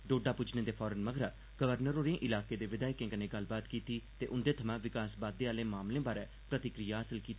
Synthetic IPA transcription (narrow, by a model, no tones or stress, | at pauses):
ɖoːɖaːpʊd͡ʒnẽːd̪eːpʰɔːɾənməɡɾaː | ɡ̥əʋəɾnəɾoːɾẽːʔɪlaːkeːd̪eːʋɪd̪aːɪkẽːkənẽːɡəlbaːt̪kiːt̪iːt̪eːʔʊnd̪eːt̪ʰəmãːʋɪkaːsbaːd̪ːeːaːlẽːmaːmlẽːbaːɾɛː | pɾət̪ɪkɾijaːɦəsəlkiːt̪a